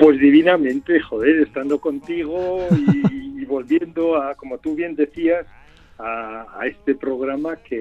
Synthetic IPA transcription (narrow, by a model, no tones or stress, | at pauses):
pwe̞zðiβ̞inamẽ̞nt̪eχo̞ðe̞ɾest̪and̪o̞ko̞nt̪iɣ̞oiːβo̞lβje̞nd̪oako̞mo̞t̪uβ̞je̞nd̪e̞θias | a̰ːe̞st̪e̞pɾo̞ɣ̞ɾamake